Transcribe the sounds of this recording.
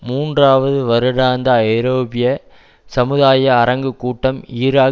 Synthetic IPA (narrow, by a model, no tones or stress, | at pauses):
muːndraːʋɐðɯʋɐɾɯɽaːnd̪ɐɐjɾoːbɪjɐ | sɐmɯðaːjɐːɾɐŋɡɯkːuːʈːɐmiːɾaː